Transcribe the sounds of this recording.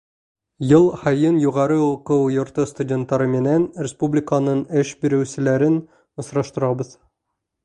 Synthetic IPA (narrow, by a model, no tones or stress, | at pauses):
jɤlˠhɑjɤnjuʁɑɾɤuqɤwjŏɾt̪ɤst̪udʲe̞nt̪ːɑɾɤmɘ̆nænrʲɪspublʲɪkənɤɴɘʃbiɾɘ̆wsɘ̆læɾɘn | ŏsɾɑʃt̪ɤ̆ɾɑbɤð